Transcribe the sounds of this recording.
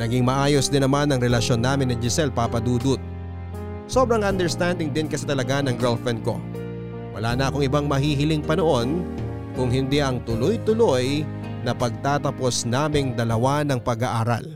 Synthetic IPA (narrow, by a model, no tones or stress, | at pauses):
nɐɡiŋmɐʔaːjosd̪ɪnːɐmanːɐŋɾɛlɐʃo̞nːaːmɪnːɪd͡ʒɪsɛlpapɐd̪uːd̪ʊt̪̚ | so̞bɾɐŋɐnd̪ɛɹst̪and̪ɪŋd̪ɪnkɐsɛt̪ɐlɐɡanɐŋɡɛlfɛnko̞̰ | wɐ̰laːnɐʔɐkoŋɪbaŋmɐɦiːɦɪlɪŋpɐnoʔo̞n | kʊŋɦɪnd̪iʔɐŋt̪ʊlojt̪ʊlo̞j | nɐpɐɡ̚t̪aːt̪ɐpo̞snaːmɪŋd̪ɐlɐwanɐŋpɐɡaʔaːɾa̰l